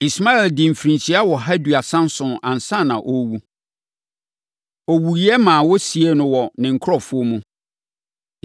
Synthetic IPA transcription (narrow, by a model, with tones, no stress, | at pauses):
i˨sma˦ɛ˨ldɪ˨m̩˨fɾĩ˨t͡ɕʰi˨˦a˦wɔ˨ɦa˦dɥa˨sã˦n˦sʊ̃˨nã˨n˨sã˦˨nã˨ʔo˦wu˦ | ɔ˨wu˨i˦ɛ˦mãː˨wɔ˦si˨e˦nʊ̃˦wɔ˨nɪ̃˨ŋ̩˨kʰʊ˦ɾɔ˦˨fʊ˦o˦mũ˦